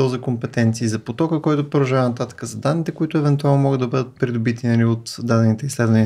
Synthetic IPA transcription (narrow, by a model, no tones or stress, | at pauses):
olzikompɛt̪ɛnt̪siːzɐpot̪ɔkəkɔjt̪ʊpoɾɐʒavnɐt̪at̪ə̥kəzɐd̪anːit̪ɛkoit̪ʊɛvɛnt̪ualˠnomɔɡəd̪d̪ɐbɤd̪ət̪̚pɾid̪obit̪inɐliot̪d̪ad̪ɛnit̪ɛislɛd̪vɐni